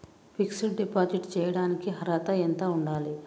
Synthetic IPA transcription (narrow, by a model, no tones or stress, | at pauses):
pʰiksiʈɖipaːd͡ʒiʈt͡ʃɛːjɐɽaːnikiɦɐɾɐt̪ɐɛnt̪ɐːuɳɖaːli